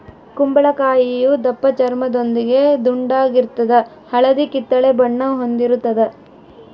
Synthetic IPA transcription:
kumbɐɭɐkaːjijud̪ɐpːɐt͡ʃɐɾmɐd̪ond̪iɡe̞d̪uɳɖaːɡiɾt̪ːɐd̪ɐ | hɐɭɐd̪ikit̪ːɐɭebɐɳːɐɦond̪iɾut̪ːɐd̪ɐ

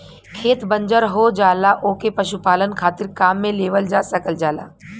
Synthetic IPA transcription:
kʰeːt̪bə̃ɲd͡ʒəɾɦod͡ʒaːlaʔoːkepɐʃupaːlənkʰaːt̪ɪɾkaːmːẽleːʋəld͡ʒaːsɐkəld͡ʒaːla̰ː

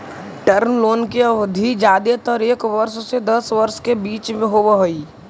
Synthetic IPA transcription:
ʈəɾnloːnkeəʋd̪ʱid͡ʒaːd̪et̪əɾeːkʋəɾʃsed̪ɐsʋəɾʃkebiːt͡ʃmẽɦobəɦoiː

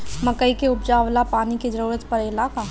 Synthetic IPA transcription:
mɐkəikeʊp̚d͡ʒaːwlapaːniked͡ʒəɾuːɾət̪pɐɾɪlaːka

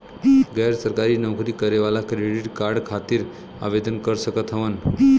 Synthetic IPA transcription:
ɡəjɾsəɾkaɾiːnəwkɾiːkəɾeʋalakɾeɽiʈkaɾɖkʰat̪iːɾ | a̰ʋed̪ənkəɾsəkət̪ɦəʋən

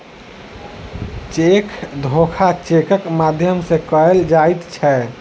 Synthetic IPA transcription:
t͡ʃekʰd̪ʱokʰat͡ʃekəkmad̪ʱjəmsekəeld͡ʒajt̪t͡ʃʰɛ

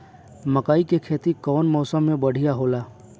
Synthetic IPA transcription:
mɐkaːikekʰeːt̪ikɔːnmɔːsəmːẽbɐɽ̤ijaɦoːlaː

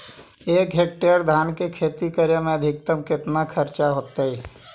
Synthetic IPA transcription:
eːkɦek̚ʈeəɾd̪ʱaːnkekʰeːt̪ikəɾjəmẽəd̪ʱɪk̚t̪əmkɪt̪nakʰəɾt͡ʃaɦoːt̪əi

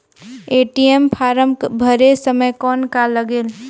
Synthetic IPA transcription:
eʈiempʰaɾəmbʱəɾesəməjkɔnkaləɡel

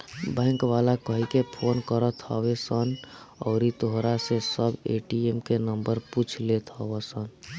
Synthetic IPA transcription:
bɛ̃ːŋkʋaːlakkəɦikepʰoːnkəɾət̪ʰɦəwesən | ɔːɾit̪oɦɾasesəbeːʈiemkenəmbəɾput͡ʃʰlet̪ʰɔʋesən

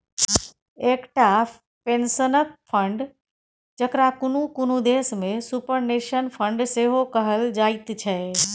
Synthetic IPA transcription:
eːkʈa | pensənək̚fʰə̃ɳɖ | d͡ʒəkɾakʊnũkʊnũd̪eːsmẽsupəɾneʃənpʰə̃ɳɖseːɦokəɦəld͡ʒaːit̪t͡ʃʰɛ

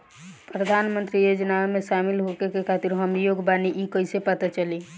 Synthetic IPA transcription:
pɾəd̪ʱanmənt̪ɾijod͡ʒnamesamilɦokekekʰat̪iɾɦəmijoɡbaniʔikəisepət̪at͡ʃəli

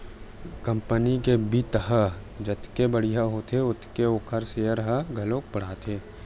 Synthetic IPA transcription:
kɐ̃mpənikebit̪əɦə | d͡ʒət̪kebɐɽ̤ijaɦoːt̪eʊt̪keoːkʰəɾseəɾəɦəɡʱɐloːk̚bɐɽ̤aːt̪ʰeː

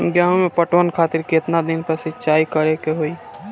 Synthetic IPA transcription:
ɡjaːnõmẽpəʈwənkʰaːt̪ɪɾkiɪt̪nad̪ɪnpəsɪt͡ʃaːikɐɾekeɦoːi

